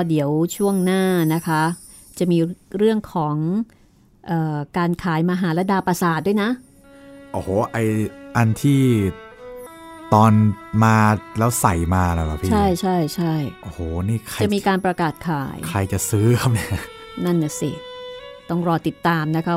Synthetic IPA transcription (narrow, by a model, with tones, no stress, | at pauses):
ɔ˥˩di˩˦əwt͡ɕʰu˥˩əŋnaː˥˩na˦˥kʰa˦˥ | t͡ɕa˨˩miː˧ɾɯ˥˩əŋkʰɔː˩˦ŋ | ʔɤː˨˩kaː˧nkʰaː˩˦jmaː˧ɦaː˩˦lɛ˦˥daː˧pa˧saː˨˩t̪̚d̪u˥˩˨jna˦˥ʔ | ʔoː˧˩hoː˨˩ʔa˧jʔa˧nt̪ʰiː˥˩ | t̪ɔː˧nmaː˧lɛː˦˥wsa˨˩jmaː˧la˨˩ba̰˨˩pʰiː˥t͡ɕʰa˥˩jt͡ɕʰa˥˩jt͡ɕʰa˥˩jʔo˧hoː˨˩niː˥˩kʰa˧a˨˩miː˧kaː˧npɾa˧kaː˨˩t̪̚kʰaː˩˦jkʰa˧jt͡ɕa˨˩sɯː˦˥kʰa˥˩p̚ni˥˩a˦˥˩ | na˥˩nːa˧˩si˨˩t̪ɔ˥˩ŋɾɔː˧t̪i˨˩t̪ːaː˧mna˦˥kʰa˦˥